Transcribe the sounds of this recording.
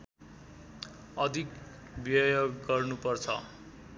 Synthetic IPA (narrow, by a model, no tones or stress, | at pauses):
ʌd̪ʱik | bjʌjoɡːʌrnupʌrt͡sʰʌ̰